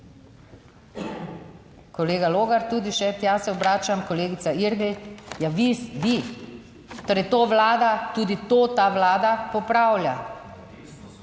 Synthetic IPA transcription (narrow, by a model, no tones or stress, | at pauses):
kɔleːɡaloːɡaɾt̪uːd̪iʃɛt̪jasɛɔbɾaːt͡ʃamkɔleːɡit̪saiɾɡ̪ijaʋisʋi | t̪oɾɛjt̪oːʋlaːd̪at̪uːd̪it̪oːt̪aʋlaːd̪apɔpɾaːwlʲja